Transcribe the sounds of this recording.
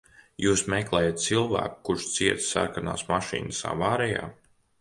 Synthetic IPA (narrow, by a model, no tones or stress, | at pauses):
juːsmɛklˠɛːjat̪̚t̪silˠvæ̰ːku̥kuɾʃt̪siɛt̪ssa̰ɾkana̰ːsmaʃḭːnɨsa̰vaːɾɛja̰ː